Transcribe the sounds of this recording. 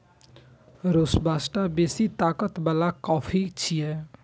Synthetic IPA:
ɾoːsbaːsʈabeːsit̪aːkət̪bəlakɔːfʰit͡ʃʰiɛː

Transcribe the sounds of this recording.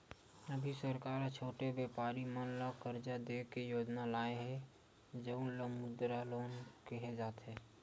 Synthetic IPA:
əbʱisəɾkaːɾt͡ʃʰoːʈebeːpaːɾimənləkəɾd͡ʒad̪ekejoːd͡ʒnalaːeɦɛ | d͡ʒəʊnləmʊd̪ɾaloːnkeɦed͡ʒaːt̪ɦɛː

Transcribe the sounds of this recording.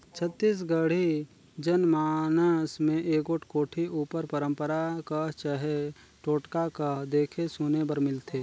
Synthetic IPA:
t͡ʃʰət̪ːiːs̬ɡəɽ̤i | d͡ʒənmaːnəsmẽʔeːkoːʈʰkoːʈʰiuːpəɾpəɾə̃mpəɾakəɦt͡ʃəɦe | ʈoːʈkakəɦd̪eːkʰesuːnebəɾmɪlt̪ʰeː

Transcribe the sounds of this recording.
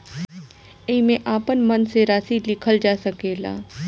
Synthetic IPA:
emẽʔaːpənmənseɾaːsilɪkʰəld͡ʒaːsəkeːla̰ː

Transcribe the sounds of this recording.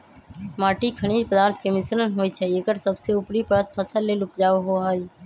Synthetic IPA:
maːʈikʰəɽ̃iːdpəd̪aːɾt̪ʰkemɪsɾənɦoːjt͡ʃʰɛekəɾsəbseʊpɾipəɾət̪̚pʰəsəlːeːlʊpd͡ʒaːoɦoɦəj

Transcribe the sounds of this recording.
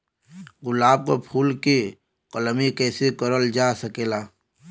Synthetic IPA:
ɡʊlaːb̚kopʰuːlke | qələmikɛːsekəɾəld͡ʒaːsəkeːlaː

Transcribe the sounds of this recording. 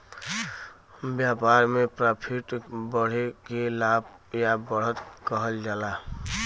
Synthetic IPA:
bjapaɾmepɾapʰiʈbəɽ̤ekelab | jabəɽ̤ət̪kəɦəld͡ʒala

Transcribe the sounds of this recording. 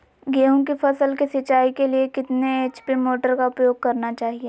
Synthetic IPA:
ɡeːɦõk̬ifɐsəlkisɪt͡ʃaːikeliekɪt̪neːt͡ʃpimoːʈəɾkaʊpjoːɡ̚kɐɾnat͡ʃaːɦie

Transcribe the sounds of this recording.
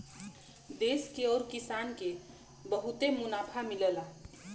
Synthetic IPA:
d̪eːskeɔːɾkɪsaːnke | bəɦut̪emʊnaːpʰamɪləla

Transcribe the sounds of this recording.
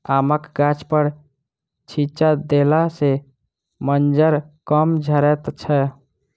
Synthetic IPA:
aməkɡat͡ʃpəɾ | t͡ʃʰit͡ʃad̪elase | mənd͡ʒəɾkəmd͡ʒʱəɾɛt̪t͡ʃʰɛ

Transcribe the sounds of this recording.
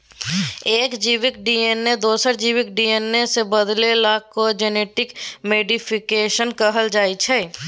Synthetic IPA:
eːkd͡ʒiːʋɪkɖiːeːnːed̪oːsəɾd͡ʒiːʋɪkɖieːnːesebəd̪lelaːkːod͡ʒeneːʈɪkmeːɖɪpʰɪkeːʃənkəɦəld͡ʒaːit͡ʃʰɛː

